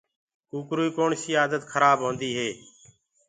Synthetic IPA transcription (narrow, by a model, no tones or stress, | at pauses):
kuːkɾuːiːkoːɳsiːaːd̪ət̪kʰəɾaːbɦõːnd̪iːɦeː